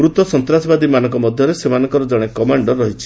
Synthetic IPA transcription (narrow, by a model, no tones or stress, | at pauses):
ɾut̪ɔsɔnt̪ɾasɔbad̪imanɔŋkɔmɔd̪ʱjɔɾesemanɔŋkɔɾɔd͡ʒɔɽ̃ekɔmaɳɖɔɾːɔɦit͡ʃʰi